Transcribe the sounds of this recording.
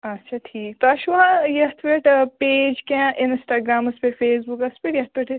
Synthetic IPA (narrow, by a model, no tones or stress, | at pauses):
ɐtːʃʰaʈʰiːk̚t̪oɐʃuʋãjɐt̪ʰʋɪʈpeːd͡ʒkɛ̃ʔɪnsʈaːɡɾaːmʊspefeːsbukɐspiʈjɐt̪ʰʋɪʈ